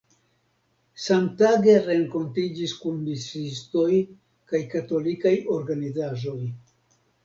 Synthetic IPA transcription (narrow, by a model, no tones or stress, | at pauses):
samtaɡe̞ɾe̞ŋko̞ntid͡ʒiskunbisisto̞j | kajkato̞likajo̞ɾɡanizaʒo̞j